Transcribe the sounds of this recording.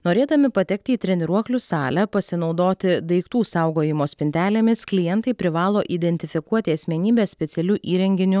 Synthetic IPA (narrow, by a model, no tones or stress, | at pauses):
noːɾʲeːd̪ɐmʲɪpɐt̪ʲɛk̚t̪ʲɪiːt̪ʲɾʲɛnʲɪɾuɔklʲʊsɑːlʲɛpɐsʲɪnɒʊd̪oːt̪ʲɪd̪ɐɪkt̪uːsɑˑʊɡoːjɪmoːsʲpʲɪnʲt̪ʲæːlʲeːmʲɪsklʲɪjɛnt̪ɐɪpʲɾʲɪʋɑːlˠoːʔiːd̪ʲɛnʲt̪ʲɪfʲɪkuɔt̪ʲɪɐsʲmʲɛnʲiːbʲeːssʲpʲɛt̪sʲɛlʲuːʔiːɾʲɛŋʲɡʲɪnʲʊ